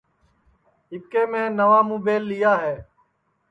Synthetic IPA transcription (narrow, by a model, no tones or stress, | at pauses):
ɦɪkeːmẽːnəʋaːmũːbeːlːɪjaːɦeː